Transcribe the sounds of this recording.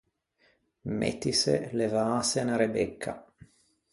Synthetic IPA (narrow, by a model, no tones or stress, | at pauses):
mḛt̪isḛlevaːsenaɾebekʰːa̰